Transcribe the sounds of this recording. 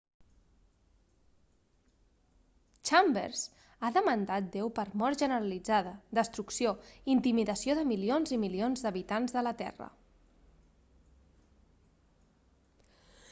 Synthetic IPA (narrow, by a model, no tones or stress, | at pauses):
t͡ʃambḛɾz | aðəmənd̪at̪̚d̪ewpəɾmɔɾʒənəɾəlid͡zaðəd̪əst̪ɾuksioint̪imiðəsioðəmilionzimilionzðəβit̪anzðələt̪ɛ̰rə̰